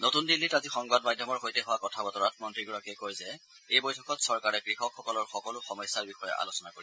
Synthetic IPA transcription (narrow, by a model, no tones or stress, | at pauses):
notundilːitazixɔŋbadmadʱjɔmɔɹɦojtɛɦʊwakɔtʰabɔtɔɹatʰmɔntɹiɡɔɹakɛkojzɛ | ejbojtʰɔkɔtsɔɹkaɹɛkɹixɔkʰxɔkɔlɔɹxɔkɔlʊxɔmɔjsːaɹbixɔjɛ̰ʔa̰losɔnakoɹi